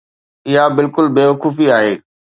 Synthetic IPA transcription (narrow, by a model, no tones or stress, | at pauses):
ɪɦabɪlkʊlbeːʋɐkuːfiaːɦeː